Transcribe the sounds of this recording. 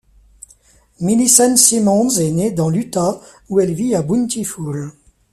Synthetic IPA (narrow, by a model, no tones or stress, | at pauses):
milisɛnsimɔ̃zɛned̪ɑ̃lyt̪a | uɛlviabunt̪iful